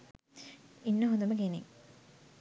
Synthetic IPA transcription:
inːəɦond̪əməɡenḛŋ

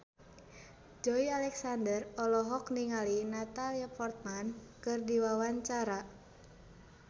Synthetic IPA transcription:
d͡ʒɔialɛksandərɔlɔɦɔkniŋalinat̪aliapɔrt̪̚mankɨrdiwawaɲt͡ʃaɾa

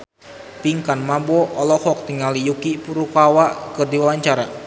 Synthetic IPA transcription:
piŋkanmabɔʔɔlɔhɔk̚t̪iŋalijukipuɾukawaʔkɨrdiwawaɲt͡ʃaɾa

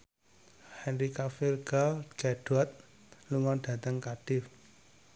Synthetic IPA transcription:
hɛnɾikafirɡ̥alɡ̥aɖ̥at̪̚ | luŋɔnɖ̥a̤t̪əŋkaɖ̥ɪf

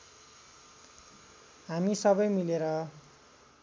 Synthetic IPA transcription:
ɦamisʌbʌjmileɾʌ

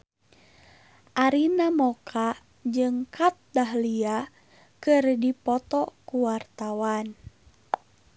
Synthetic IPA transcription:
ʔaɾinamɔkʰa | d͡ʒɨŋkat̪̚daɦlia | kɨrdipɔt̪ɔkuwart̪awan

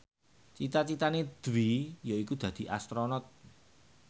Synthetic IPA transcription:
t͡ʃit̪at͡ʃit̪aned̪̥wijaikud̪̥ä̤d̪̥i̤ʔa̰st̪ɾonɔt̪̚

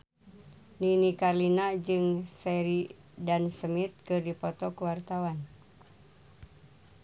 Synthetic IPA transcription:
ninikarlinad͡ʒɨŋsɛɾi | dansəmit̪̚kɨrdipɔt̪ɔkuwart̪awan

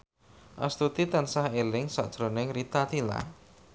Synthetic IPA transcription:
ʔa̰st̪ut̪it̪ansahelɪŋsa̰ʔd̥ʒ̥ɾonɪŋrit̪at̪ila̰

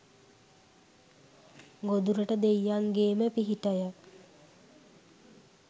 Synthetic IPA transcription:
ɡod̪uɾəʈəd̪ejːaŋɡeːməpiɦiʈəjək

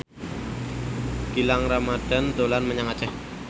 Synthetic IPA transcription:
ɡ̥ilaŋramad̥a̤nd̪olanməɲaŋat͡ʃɛh

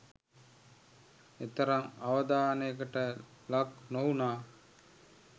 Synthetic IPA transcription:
et̪ɐɾɐŋaʋɐd̪aːnejkəʈə | laknounaː

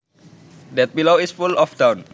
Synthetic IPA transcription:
dɛt̪̚biloisfulɔfdawn

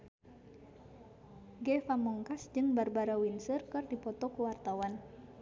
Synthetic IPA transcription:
ɡɛfamɔŋkasd͡ʒɨŋbarbaɾawinsərkɨrdipɔt̪ɔkuwart̪awan

